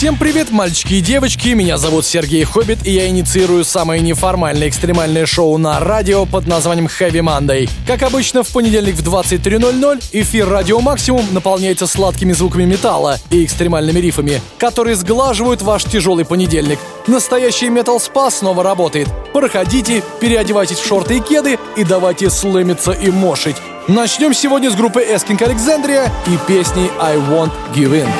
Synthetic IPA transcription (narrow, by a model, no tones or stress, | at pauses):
fsʲe̞mpɾʲɪvʲe̞t̪malʲt͡ɕɪ̥kʲɪjɪdʲe̞vət͡ɕkʲɪmʲɪnʲazɐvut̪sʲɪrɡʲejxobʲɪt̪ɪjaɪnʲɪt̪sɨiɾʊjʊsaməjənʲɪfɐrmalʲnəjɪkst̪ɾʲɪmalʲnəjəʂo̞ʊnəradʲɪopəd̪nɐzvanʲɪjəmxavʲɪmand̪əjkakɐbɨt͡ɕnəfpənʲɪdʲelʲnʲɪkvd̪vat̪sɨt̚ʲt̪ɾʲino̞lʲno̞lʲɪfʲirːadʲɪomaksʲɪmʊmnəpɐlˠnʲæjɪt̪səslˠat̪kʲɪmʲɪzvukəmʲɪmʲɪt̪a̰lˠəɪɪkst̪ɾʲɪmalʲnɨmʲɪɾʲifəmʲɪkɐt̪o̞ɾɨjəzɡlˠaʐɨvəjʊt̪vaʂtʲɪʐo̞lˠɨjpənʲɪdʲelʲnʲɪk | nəst̪ɐjæɕːɪjmʲet̪əlˠspasno̞vəɾɐbo̞t̪əjɪt̪pɾəxɐdʲitʲɪpʲɪɾʲɪɐdʲɪvajtʲɪsʲfʂo̞rt̪ɨjəkʲe̞d̪ɨ | id̪ɐvajtʲɪslˠemʲɪt̪səʔimoʂɨtʲ | nɐt͡ɕnʲo̞msʲɪvo̞dʲnʲəzɡɾupːɨʔɛskʲɪnkəɐlʲɪksand̪ɾʲɪjəipʲesʲnʲɪjajwont̪ɡʲɪvɪn